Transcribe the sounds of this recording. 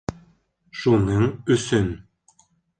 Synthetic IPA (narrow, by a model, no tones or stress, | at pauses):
ʃunɤɴɵsɵn